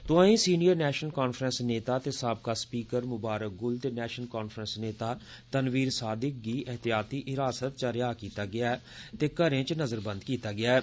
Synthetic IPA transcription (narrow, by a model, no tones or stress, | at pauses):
t̪ʊãːĩːsiːnijəɾnɛːʃənəlkaːnfʰɾənsneːt̪aːt̪eːsaːb̚kaːspiːkəɾmʊbaːɾək̚ɡʊlt̪eːnɛːʃəlkaːnfʰɾənsneːt̪aː | t̪ənʋiːɾsaːd̪ɪk̚ɡiːʔɛɦt̪ɪjaːt̪iːʔɪɾaːsət̪̚t͡ʃəɾɪjaːkiːt̪aːɡɪaː | t̪eːkəɾẽːt͡ʃnəzəɾbənd̪kiːt̪aːɡɪaːɛː